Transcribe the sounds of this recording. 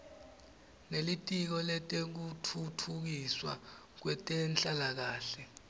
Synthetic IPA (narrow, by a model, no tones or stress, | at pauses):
nelitʼik̬ɔlɛtʼek̬utʰutʰuk̬iswa̰ | k̬wɛtʼɛnɬʼalak̬aːɬɛ